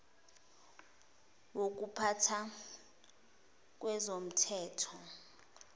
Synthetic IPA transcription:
wok̬ʼupʰatʰa | k̬ʼwɛzom̩tʰɛːtʰɔ

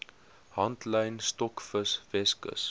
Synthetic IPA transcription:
hɐntləjnstɔkfəsvɛskə̰s

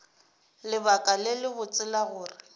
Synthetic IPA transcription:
lɪbakʼalɪlɪbʊt͡sʼɪlaɣʊːrɪ

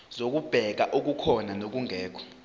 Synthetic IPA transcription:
zok̬ub̥ʱɛk̬aʔok̬ukʰɔnanok̬uŋɛːkʰɔ̥

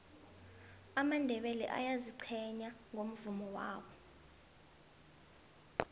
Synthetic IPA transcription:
amandʱɛɓɛlɛ̰ʔa̰jaziǀʰɛɲaŋom̩vumɔwa̰ːwɔ

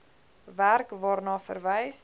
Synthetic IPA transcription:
værkvɑːrnɑːfə̰rvɛjs

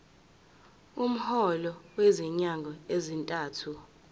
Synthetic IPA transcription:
um̩hɔlɔweziɲaŋɡʱɔezintʼaːtʰu

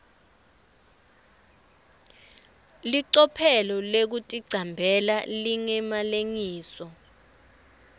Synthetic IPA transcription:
liǀɔpʰɛlɔlek̬utʼiɡ͡ǀʱambʱɛlaliŋɛmaleŋiːsɔ

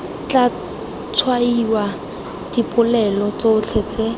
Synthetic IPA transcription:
t͡ɬa | t͡sʰwaiwa | d̥ipʼʊlɛlɔt͡soʊt͡ɬʰet͡se

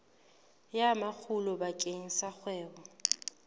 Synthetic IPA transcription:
jamak͡xʰulɔbakʼeŋ̩sak͡xʰwɛːbɔ

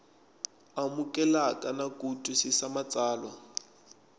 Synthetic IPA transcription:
amukʼɛlakʼanakʼutʼusɪsamat͡sʼaːlwa

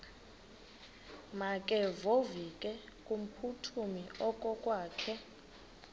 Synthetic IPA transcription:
makʼɛvovikʼɛkʼum̩pʰutʰumiɔkʼɔkʼwaːkʰɛ

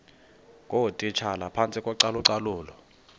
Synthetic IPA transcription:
kʼotʼit͡ʃʰalapʰant͡sʼikʼwɔǀaluǀalʊːlɔ

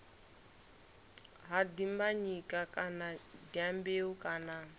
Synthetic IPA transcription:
ɦadimbaɲikʼakʼanadiambeukʼaːna

